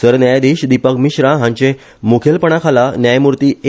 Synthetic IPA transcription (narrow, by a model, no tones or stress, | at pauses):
səɾnjajd̪eɕd̪ipəkmiɕɾaɦãɲt͡ɕẽ | mokʰelpəɳ̃akʰalanjajmuɾt̪iː